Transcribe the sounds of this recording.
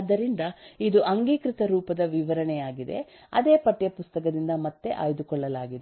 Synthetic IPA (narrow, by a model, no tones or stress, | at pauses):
d̪ːɐɾind̪ɐid̪uʔɐŋɡiːkɾit̪ɐɾuːpɐd̪ɐʋiʋɐɾɐɳɛjaːɡid̪e̞̰ | ɐ̰d̪e̞ːpɐʈːjɐpust̪ɐk̬ɐd̪ind̪ɐmɐt̪ːe̞̰ʔa̰ːjd̪ukɔɭːɐlaːɡid̪e